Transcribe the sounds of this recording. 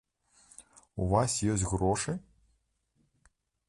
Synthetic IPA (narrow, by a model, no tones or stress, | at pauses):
uvasʲjɔs̬ʲtʲɣɾɔʂɨj